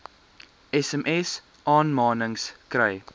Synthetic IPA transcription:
ɛsɛmʔɛs | ʔɑːnmɑːnəŋskrəj

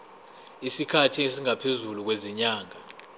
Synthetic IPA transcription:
isikʰatʰies̬iŋapʰezuluk̬weziɲaːŋa

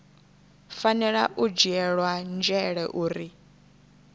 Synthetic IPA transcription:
fanɛɺaʔud͡ʒiɛɺwand͡ʒɛɺɛʔuːɾi

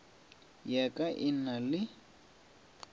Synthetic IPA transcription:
jakʼaʔɪnalɪ

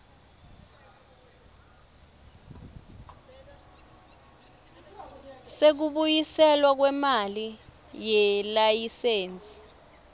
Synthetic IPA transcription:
sek̬uɓujisɛlwak̬wɛmali | jɛlajiseːnt͡sʼi̥

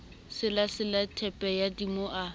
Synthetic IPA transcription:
sɪlasɪlatʰɛpʼɛjadimoʔa

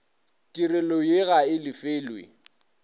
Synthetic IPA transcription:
tʼirɪlɔjeɣaɪlɪfeːlwḛ

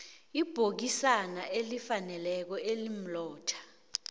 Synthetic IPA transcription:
ib̥ʱok̬isanaʔelifanɛlɛk̬ɔelim̩lɔːtʰḁ

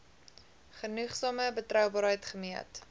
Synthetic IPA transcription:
χənuχsɑːməbətrœwbɑːɾɦəjtχəmiət

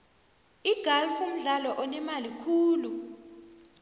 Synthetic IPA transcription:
iɡ̥ʱalfum̩ɮalɔʔɔnɛmalikʰuːlu

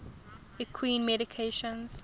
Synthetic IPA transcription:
ikʰwĩːnmɛɾɪkʰeʃə̃nz̥

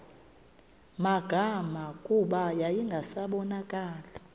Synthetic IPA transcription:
maɡ̥ʱamakʼuɓajajiŋɡʱasaɓɔnakʼaːla

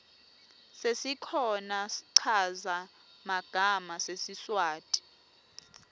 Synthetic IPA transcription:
sesikʰɔnasi̥ǀʰaza | maɡ̥ʱamasesiswaːtʼi̥

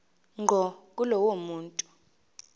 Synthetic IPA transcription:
ŋɡʱɔkʼulɔwomuːntʼu̥

